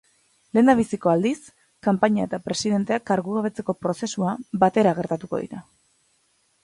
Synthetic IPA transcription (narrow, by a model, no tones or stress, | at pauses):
le̞ːnd̪aβ̞isiko̞ald̪is | kampaɲae̞t̪apɾe̞siðe̞nt̪e̞akaɾɣuɣaβ̞e̞t͡se̞ko̞pɾo̞se̞suabat̪e̞ɾaɣ̞e̞ɾt̪at̪uko̞̰ð̞ḭɾa